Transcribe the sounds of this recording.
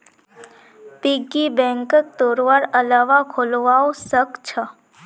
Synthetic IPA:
piɡibɛ̃ŋkək̚t̪oɾʋaɾəlaʋakʰolʋaosəkt͡ʃʰə

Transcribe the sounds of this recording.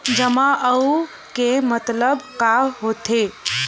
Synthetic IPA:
d͡ʒəmaʔəu | kemət̪ləbkaɦot̪e

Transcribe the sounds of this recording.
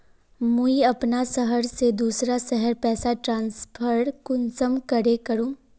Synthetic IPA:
mũiɐpnasɐɦəɾsed̪uːsɾasɛɦəɾpɛːsaʈɾãːnspʰəɾɽkʊnsəmkɐɾekɐɾũː

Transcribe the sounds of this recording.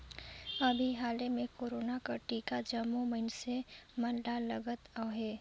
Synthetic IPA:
əbʱiɦaːlemẽkoːɾoːnakaʈiːkad͡ʒəmːuməɪnsemənɖaləɡət̪aɦeː

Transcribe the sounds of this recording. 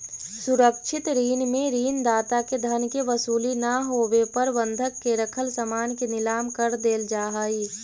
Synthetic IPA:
sʊɾəkʃʰɪt̪ɾiːnmẽɾiːnd̪aːt̪aked̪ʱənkeʋəsuːlinaɦoːwepəɾʋə̃nd̪ʱəkːeɾəkʰəlsəmaːnkenɪlaːmkəɾd̪eːld͡ʒaːɦaiː

